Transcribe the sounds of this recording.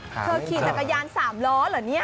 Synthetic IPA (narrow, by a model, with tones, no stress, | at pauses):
t̪ʰɤː˧kʰiː˨˩t̪a˨˩kːa˧jaː˧nsaː˩˦mlɔː˨˦˥ləː˨˩˦ni˦˥ɐ